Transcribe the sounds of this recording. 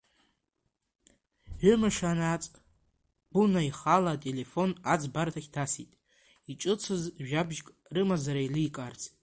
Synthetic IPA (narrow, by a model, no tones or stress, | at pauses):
ʕʷʊmɨʂanat͡sʼ | b̥unaiχalaːtʼe̞le̞fo̞nad͡zbartʰaχʲdʰasitʼ | iʈ͡ʂʼɨt͡sʰɨzʒᶣabʒkʼ | rɨmazaɾailikʼart͡sʰ